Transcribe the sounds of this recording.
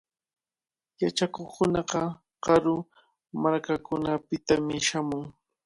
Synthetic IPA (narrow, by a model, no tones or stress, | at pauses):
jat͡ʃakoχkʊnɑqɑ | ɢɑɾʊ | maɾkakʊnapɪt̪amɪʃamʊŋ